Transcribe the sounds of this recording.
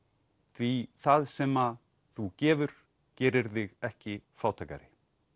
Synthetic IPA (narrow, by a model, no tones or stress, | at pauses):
θviθaðsɛma | θucɛːvʏɾ̥ | cɛːɾɪɾθɪɣɛhcɪfaːwt̪ʰajka̰ɾɪ